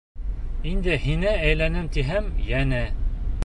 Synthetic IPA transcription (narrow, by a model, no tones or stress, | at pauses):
ind̪ɘhinææjlænɘmt̪iɦæmjænæ